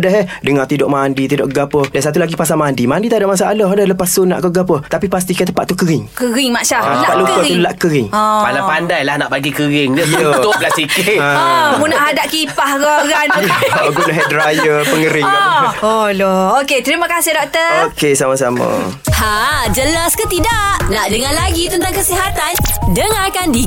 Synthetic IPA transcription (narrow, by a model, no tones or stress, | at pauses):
dəɦɛhdəŋat̪idɔʔmaːndit̪idɔ̰ʔɡapədansat̪ulaɡipas̬amandimandit̪adaʔmas̬aʔaləɦdəhləpasona̰ʔkəɡapət̪apipas̬t̪ikajt̪əpaʔt̪ukəɾɪŋkəɾɪŋmaʔʃaalaaʔlukaulaʔkəɾɪŋalapandajlahnaʔbaɡikəɾɪŋd͡ʒəj̪əop̚lasikɪʔãmunaʔɦadaʔkipahkoɡanjɡunaɦɛdɾajəpəŋəɾɪŋaɔlɔoket̪ɾimakasɪhdɔk̚t̪əokesamas̬amə̰ | had͡ʒəlaskət̪idaʔnadəŋanlaɡit̪ənt̪aŋkəsiɦat̪andəŋarkandi